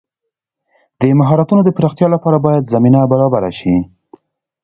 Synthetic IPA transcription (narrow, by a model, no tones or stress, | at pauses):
d̪̥əmaɦɑɾat̪unod̪əpɾɑxt̪jɑlapɑɾabɑjad̪zaminabaɾɑbaɾa̰ʃi